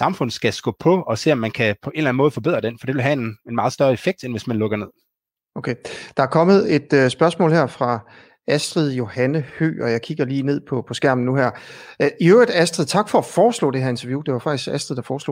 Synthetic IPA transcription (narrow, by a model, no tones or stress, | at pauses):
sɑ̈mfɔ̽n̰ð̩ˠsɡ̥æsɡ̥ɔ̰ːpʰɒ̽ɒ̽se̝̰ːɒmːænkʰæpʰɒ̽ʔe̝nlæn̩mɔːð̩ˠfɒbe̝ð̰ˠɐd̥enfɒ̽d̥e̝ʋe̝lɦæenenmɑ̈ːð̞̩ˠsd̥ɶɐe̝feɡ̥̚d̥enʋe̝smænlɔ̽ɡ̥ɐne̝ð̰ˠ | okʰed̥ɑæɐkʰɒ̽məð̩ˠe̝d̥sb̥ɶɐsmɔ̰ːlheɐ̰fʁɑ̈ | æsd̥ʁið̩ˠjo̝hænəhø̰ːɒ̽jɑ̈ɪkʰiɡ̥ɐliːne̝ð̞̰ˠpʰɒ̽pʰɒ̽sɡ̥æɐ̰mn̩nuɦæɐ̰ʔiøʊʁəd̥æsd̥ʁið̩ˠt͡sʰɑ̈ɡ̥fɒ̽ːfɒːslɔ̰ːd̥e̝ɦæɐe̝nt͡sʰɐʋjud̥e̝ʋɑ̈fɑ̈ɡ̥isɡ̥æsd̥ʁið̞̩ˠdɑ̈fɒːslo̰ː